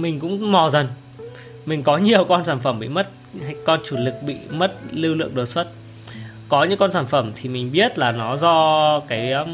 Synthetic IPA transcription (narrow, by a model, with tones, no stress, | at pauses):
mï˨˩ŋ̟kʊ̰˧˥ŋ͡mmɔ˨˩zə˨˩n | mï˨˩ŋ̟kɔ˨˦ɲi˨˩əwkɔ˧nsaː˧˩nfə˧˩mɓḭ˧˨mə˦˥t̚ | ha˧jkɔ˧nt͡ɕu˧˩lɨ˨˩k̚ɓḭ˧˨mə˦˥t̚lɨ˧wlɨ̰˧˨əŋɗəː˨˩swə˦˥t̚ | kɔ˨˦ɲɨ̰˧˥ŋkɔ˧nsaː˧˩nfə˧˩mt̪ʰi˨˩mï˨˩ŋ̟ɓi˦˥ət̚laː˨˩nɔ˨˦zɔ˧kaː˨˦j